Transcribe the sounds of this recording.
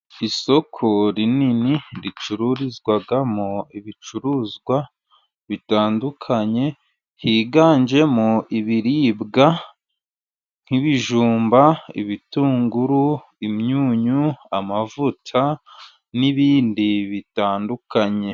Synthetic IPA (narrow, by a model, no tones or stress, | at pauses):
iso̞kʰoɾininiɾit͡ʃuɾuɾizɡwaɡamoiβit͡ʃuɾuːzɡwa | βitaːndukʰaɲe̞ | hiːɡaːɲd͡ʒe̞moʔiβiɾiːbɡa | ŋ̥hiβiʒuːmbaḭβituːŋɡuɾu | imɲuːɲuamavutʰa | niβiːndiβitaːndukaɲe̞